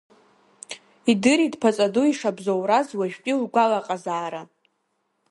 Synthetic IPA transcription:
idɨɾidpʰat͡sʼaduiʂabzowɾazwaʒᶣpʼilɡʷalaqʼazaːɾa

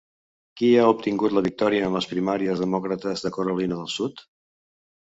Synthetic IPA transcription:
kiaup̚t̪iŋɡut̪ləβik̚t̪ɔɾiəːmləspɾimaɾiəzðəmɔkɾət̪əzðəkuɾulinəðəlˠsut̪

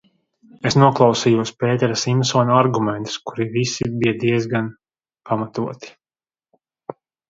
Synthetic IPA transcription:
esnuɔklˠɑwsiːjuɔspeːt̪ɛɾasimsɔːnaɾɡumɛ̃nt̪u̥skuɾivisibijad̪iɛzɡan | pʰamat̪uɔt̪i̥

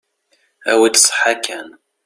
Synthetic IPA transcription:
æ̰wid̪sˤħakæn

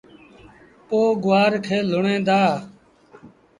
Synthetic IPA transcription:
poːɡʊwaːɾkʰeːlʊɳẽːd̪aː

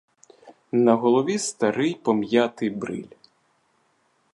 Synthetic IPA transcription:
nɐɦɔlˠɔʋʲist̪ɐɾɪjpɔmjat̪ɪjbɾɪ̰lʲ

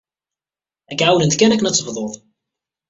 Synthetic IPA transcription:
æɡʕawlənt̪kænæknæt͡sːəvðˤoðˤ

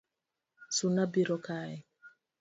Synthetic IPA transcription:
sunabiɾɔkaɛ

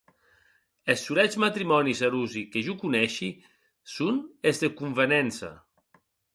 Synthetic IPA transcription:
esːuɾɛzmat̪ɾimɔnisaɾuzikeʒukunɛʃi | sunezd̪ekuɱvenɛnsa̰

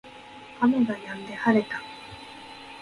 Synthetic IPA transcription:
ameɡajãnd̪e̞haɾet̪ḁ

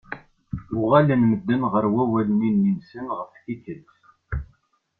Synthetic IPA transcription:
ʊʁalənməd̪ːənʁəɾwæwælninːinsənʁəfθikəlt

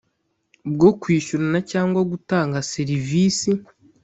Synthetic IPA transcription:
bɡokwiːʃuɾanacaːŋɡwaɡutaːŋɡaseɾiviːsi

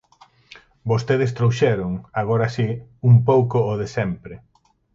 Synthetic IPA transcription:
bost̪eðest̪ɾowʃɛɾʊŋaɣ̞oɾasiumpowkoːðesɛmpɾɪ

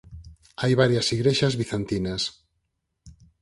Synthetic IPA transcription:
ajβaɾjasiɣɾeʃazβiθant̪inas

